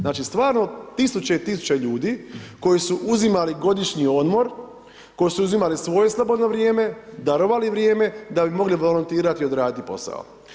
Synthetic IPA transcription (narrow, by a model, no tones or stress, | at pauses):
znaːt͡ʃist̪ʋaːɾno̞t̪isut͡ɕe̞it̪isu̥t͡ɕeʎuːd̪iko̞jisuʔuzimaliɡo̞d̪iʃɲio̞d̪mo̞ɾ | ko̞jisuuzimalisʋo̞je̞slˠobo̞d̪no̞ʋɾjeːme̞d̪aɾoʋaliʋɾjeːme̞d̪abimo̞ɡliʋo̞lont̪iːɾat̪iod̪ɾaːd̪it̪ipo̞̰sa̰o̰